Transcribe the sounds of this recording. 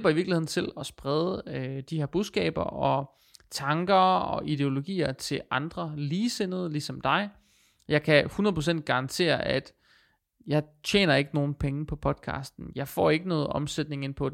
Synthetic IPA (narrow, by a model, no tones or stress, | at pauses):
lb̥ɐiʋiɐɡ̥liheð̰ˠn̩t͡sʰe̝lɒ̽sb̥ʁɛð̞ˠəd̥iheɐb̥uðˠsɡ̥ɛ̰ːb̥ɐɒ̽ | t͡sʰɑ̈ŋɡ̥ɐɒ̽ʔid̥e̝o̝lo̝ɡ̥ḭːɐt͡sʰe̝lʔɑ̈nd̥ʁɐliːsenəð̞̩ˠlisɒ̽md̥ɑ̈ɪ | jɑ̈ɪkʰæhunəðˠpʰosen̰d̥̚ɡ̥ɑ̈ʁɑ̈nt͡sʰe̝̰ːɐʔæd̥ | jɑ̈ɪt͡ɕʰjḛːnɐe̝ɡ̥əno̝ːn̩pʰeŋ̩pʰɒ̽pʰɒ̽d̥̚kʰɑ̰̈ːsd̥n̩jɑ̈ɪfɒ̰ːe̝ɡ̥ənɔ̽ːð̩ˠɒ̽msed̥̚ne̝ŋenpʰɒ̽d